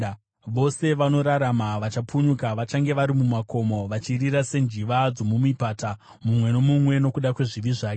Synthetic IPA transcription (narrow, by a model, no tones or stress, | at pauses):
ʋo̞se̞ʋano̞ɾaɾamaʋat͡ʃapuɲukaʋat͡ʃaŋɡe̞ʋaɾimumako̞mo̞ʋat͡ʃiriɾase̞nd͡ʒiʋad͡zo̞mumipata | mumwe̞no̞mumwe̞no̞kuɗakwe̞ʐiʋiʐaːke